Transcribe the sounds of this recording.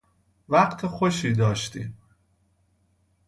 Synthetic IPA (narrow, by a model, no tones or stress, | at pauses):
væɢt̪ʰexoʃiːd̪ɒːʃt̪iːm